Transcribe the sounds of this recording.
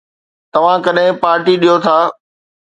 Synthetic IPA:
t̪ɐʋ̤ãkɐɗɦɪ̃paːɾʈiɗijot̪ʰaː

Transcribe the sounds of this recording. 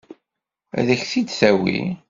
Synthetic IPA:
æ̰ðəçθid̪θæwḭ

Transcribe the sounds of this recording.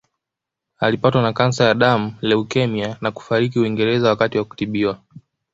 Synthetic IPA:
alipatwanakansajaɗam̩lɛukɛmianaku̥faɾik̬iuiŋɡɛɾɛzawakatiwaku̥tiɓiwa

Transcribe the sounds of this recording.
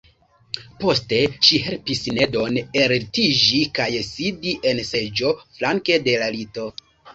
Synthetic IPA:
po̞ste̞ʃiɦe̞lpisne̞do̞neɾtid͡ʒikajsidiʔe̞nse̞d͡ʒo̞flaŋke̞de̞lalito̞

